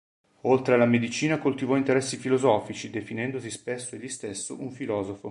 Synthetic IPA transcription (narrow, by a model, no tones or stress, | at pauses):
olt̪ɾealamed̪it͡ʃiːnakolt̪ivɔint̪eɾɛsːifilozɔːfit͡ʃid̪efinɛnd̪osispesːoeʎːist̪esːoʔuɱfilɔːzofo